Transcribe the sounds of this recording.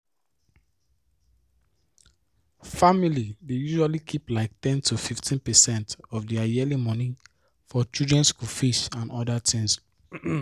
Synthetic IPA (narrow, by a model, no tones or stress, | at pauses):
familidejuʒualikʰiplaɪk̚tɛ̃ntufiftʰĩnpɛsɛ̃ntɔfdiajɛlimɔnĩ | fɔt͡ʃiudɹɛ̃nskufiʃãnɔdatʰĩns